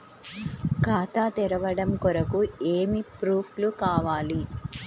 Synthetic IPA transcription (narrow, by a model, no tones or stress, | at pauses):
kaːt̪aːt̪ɛɾɐʋɐɽɐmkɔɾɐkueːmipɾuːpʰlukaːʋaːli